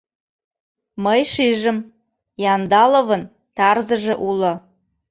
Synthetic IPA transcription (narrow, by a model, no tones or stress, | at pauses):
məjʃiʒə̆m | jɑnd̪ɑloβə̆n | t̪ɑrzə̆ʒĕʔulŏ